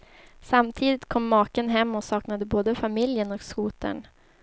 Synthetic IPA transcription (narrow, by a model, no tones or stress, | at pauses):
samt̪ʰiːd̪ɪt̪kʰɔmːɑːkənɦɛmːɔsɑːknad̪əboːd̪əfamɪljənɔkskuːt̪ʰə̰ɳ